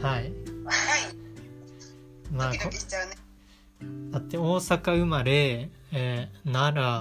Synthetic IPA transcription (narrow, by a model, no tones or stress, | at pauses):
hai | maːkoetan | d̪at̪ːe̞o̞ːsakaɯ̟maɾe̞ | naɾa